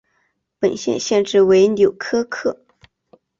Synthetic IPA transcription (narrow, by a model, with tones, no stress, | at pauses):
pə˨˩nɕjɛ̰˥˧nɕjɛ˥˧nʈ͡ʂɻ̩˥˩we˧˥ɪnjo˨˩ʊkʰɤ˥kʰɤ˥˩